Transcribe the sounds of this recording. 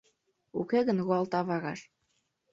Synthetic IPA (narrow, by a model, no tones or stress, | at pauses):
ukeɣənɣuɑlt̪ɑβɑɣɑʃ